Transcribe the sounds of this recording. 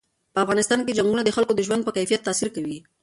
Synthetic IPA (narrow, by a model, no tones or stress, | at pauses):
pəafɣɑnɪst̪ɑnked͡ʒaŋɡunad̪əxalkod̪əʒwand̪̚pəkajfijat̪ːɑsiɾkawi